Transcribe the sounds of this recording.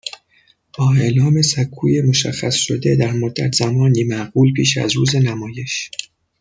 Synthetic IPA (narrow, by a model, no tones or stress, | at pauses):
b̥ɒːe̞ʔlɒːme̞sækʰːuːje̞mo̞ʃæ̰xːæsʃod̪e̞d̪æɾmod̪ːæ̰t̪ʰz̥æmɒːniːmæɢuːlpʰiːʃæ̰zɾṵːze̞næmɒːje̞ʃ